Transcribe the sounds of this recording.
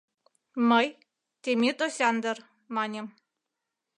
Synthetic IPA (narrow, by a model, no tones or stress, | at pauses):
məj | t̪ʲemʲit̪osʲɑnd̪ɤ̆r | mɑnʲem